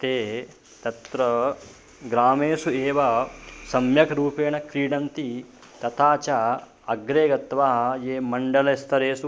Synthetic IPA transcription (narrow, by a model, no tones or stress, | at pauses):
t̪eː | t̪ɐt̪ɾɐ | ɡɾaːmeːsueːʋɐsɐmjɐkɾuːpeːɳɐkɾiːɖɐnt̪i | t̪ɐt̪ʰaːt͡ʃa | ɐɡɾeːɡɐt̪ʋaːɦɐjeːmɐɳɖɐlɐst̪ʰɐɾeːsu